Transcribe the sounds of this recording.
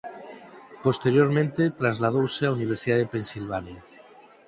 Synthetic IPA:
po̞st̪eɾjoɾmẽnt̪et̪ɾazlað̞owseauniβ̞eɾsiðaðepe̞nsilβanja

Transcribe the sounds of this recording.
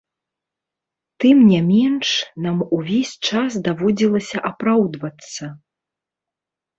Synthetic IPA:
t̪ɨmnʲamʲɛnʂnamuvʲesʲt͡ʂas̬d̪avɔd͡zʲilˠɐsʲɐʔapɾawd̪vɐt̪sːɐ

